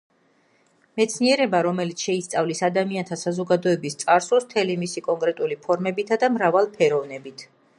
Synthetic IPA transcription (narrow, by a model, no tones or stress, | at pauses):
mɛt̪sʰniɛɾɛbaɾɔmɛlit̪sʰʃɛist̪sʼavlisad̪amiant̪ʰasazɔɡad̪ɔɛbist̪sʼaɾsɔsmt̪ʰɛlimisikʼɔŋkʼɾɛt̪ʼulipʰɔɾmɛbit̪ʰad̪amɾavalˠpʰɛɾɔvnɛbit̪ʰ